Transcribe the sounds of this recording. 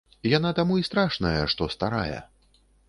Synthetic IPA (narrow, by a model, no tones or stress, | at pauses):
janat̪amuist̪ɾaʂnɐjɐʂt̪ɔst̪aɾa̰jɛ̰